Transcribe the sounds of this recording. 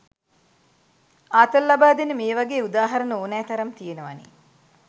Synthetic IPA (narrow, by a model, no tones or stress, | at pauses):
aːt̪ɐlːabaːd̪enəmeːʋaɡeːud̪aːɦɐɾɐnəoːnɛːt̪ɐɾɐmt̪ijenəʋa̰nḛː